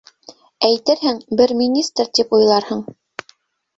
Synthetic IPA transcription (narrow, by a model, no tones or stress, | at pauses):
æjt̪ɘɾɦɘŋbɘɾmʲinʲist̪ɾt̪ipujlˠɑɾhɤɴ